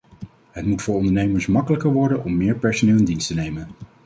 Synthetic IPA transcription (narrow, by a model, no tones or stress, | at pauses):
ɦətmutfʊːɹɔndəɹnejməɹsmɑkələkəɹʋɔɹdənɔmːɪːɹpɛɹsonɪːlˠɪndinstənejmən